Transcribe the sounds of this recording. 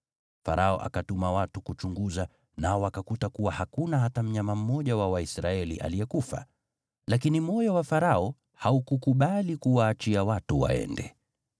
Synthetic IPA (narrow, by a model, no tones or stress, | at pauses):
fa̰ɾʔaɔ̰ʔa̰katumawatukut͡ʃuŋɡuza | naɔwakakutakuwahakunaɦatam̩ɲamam̩mɔʄawawaisɾaɛlḭʔa̰liɛkufa̰ | lakinim̩ɔjawafaɾaɔ | haukukuɓalikuwaːt͡ʃiawatuwa̰ɛ̰ndɛ